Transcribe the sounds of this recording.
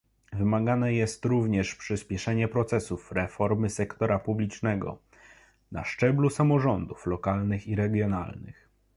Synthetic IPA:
vɘmaɡanɛjɛst̪ɾuvɲɛʂpʂɘspʲjɛʂɛɲɛpɾɔt̪sɛsufɾɛfɔɾmɘsɛkt̪ɔɾapublʲit͡ʂnɛɡɔ̰ | na̰ʂt͡ʂɛblusamɔʐɔnd̪uflɔkalnɘxiɾɛɡʲjɔnalnɘ̰x

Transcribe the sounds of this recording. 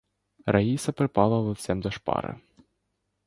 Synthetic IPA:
raisɐpɾɨpalˠɐvuwsʲɛmd̪ɐʂpa̰ɾɨ̰

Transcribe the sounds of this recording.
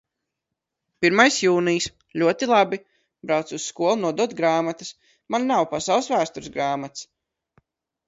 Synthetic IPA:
piɾmajsjuːnijs | lʲuɔt̪ilˠabʲi | bɾawt̪susskuɔlˠunuɔd̪uɔt̪ɡɾaːmat̪ɨs | mannawpasawlˠsvæːst̪uɾzɡɾaːmat̪s

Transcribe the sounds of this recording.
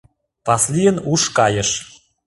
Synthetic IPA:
pɑslʲijənuʃkɑjə̆ʃ

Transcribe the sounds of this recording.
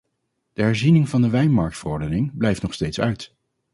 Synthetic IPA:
d̥əɦɛɹzinɪŋvɑndəʋɛjnmɑɹk̚tfərɔɹdənɪŋblɛjftnɔχstejtsœɥt

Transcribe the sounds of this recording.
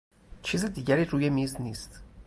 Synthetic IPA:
t͡ʃʰizid̪iːɟæɾiːɾuːjemiːzniːst̪

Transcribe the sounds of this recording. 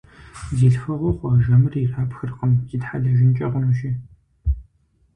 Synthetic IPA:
ziːɬfɐʁʷoqʷɔʒɐmɨriraːpxɨrqəmz̥idħaɮɐʒɪnt͡ʃʼɐʁʊnuʃi

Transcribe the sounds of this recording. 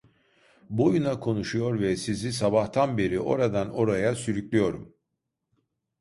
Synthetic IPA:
bo̞junakʰo̞nuʃujo̞ɾvɛsizisabaht̪ʰanbe̞ɾiʔo̞̰ɾad̪ano̞ɾajasyɾyclʲijo̞ɾum

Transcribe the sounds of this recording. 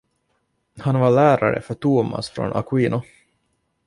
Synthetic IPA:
hanvaɭæːɾaɾə̰fœʈuːma̰sfɾo̰nʔa̰kwiːnʊ

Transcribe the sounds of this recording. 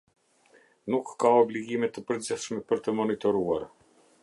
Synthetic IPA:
nukːaɔbliɡimɛt̪ːəpəɾd͡ziθʃmɛpəɾt̪əmɔnit̪ɔɾua̰ɾ

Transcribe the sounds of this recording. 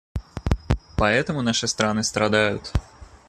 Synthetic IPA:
paɛt̪əmʊnaʂɨst̪ɾanɨst̪ɾad̪ajʊ̰t̪

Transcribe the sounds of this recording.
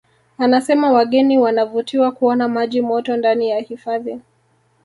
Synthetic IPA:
anasɛmawaɠɛniwanavutiwakuɔnamaʄimɔtɔndanijahifaði

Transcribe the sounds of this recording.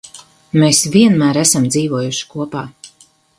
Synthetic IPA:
mesviɛnmæːɾæsamd̪ziːvuɔjuʃi̥kuɔpaː

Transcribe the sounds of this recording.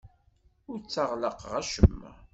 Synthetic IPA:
ʊɾt͡sːəʁləqʁæʃəmːæ̰

